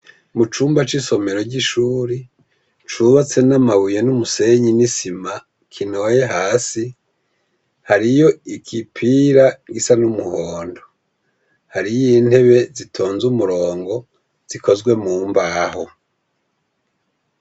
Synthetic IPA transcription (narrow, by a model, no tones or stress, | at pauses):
mut͡ʃuːmbat͡ʃiso̞me̞ɾo̞ɾɟiʃuːɾi | t͡ʃuβat͡se̞namaβujenumuse̞ɲinisima | kʰino̞je̞ɦaːsi | haɾijo̞ikʰipʰiɾaɡisanumuhoːndo | haɾijin̥he̞βe̞zitʰoːnzumuɾoːŋɡo̞ | z̥ikʰo̞zɡwe̞muːmbaho̞